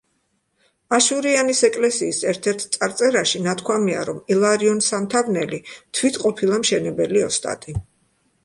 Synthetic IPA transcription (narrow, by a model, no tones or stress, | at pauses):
aʃuɾianisɛkʼlɛsiːsɛɾt̪ʰɛɾt̪ʰt̪sʼaɾt̪sʼɛɾaʃinat̪ʰkʰwamia̰ɾɔmilˠaɾiɔnsamt̪ʰavnɛlit̪ʰwit̪ʰqʼɔpʰilˠamʃɛnɛbɛliɔst̪ʼa̰t̪ʼi